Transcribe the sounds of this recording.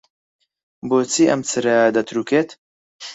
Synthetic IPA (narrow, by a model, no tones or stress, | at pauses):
bot͡sʰiʔɐmt͡sʰɨɾɐd̪ɐt̪ʰɾukeːt̪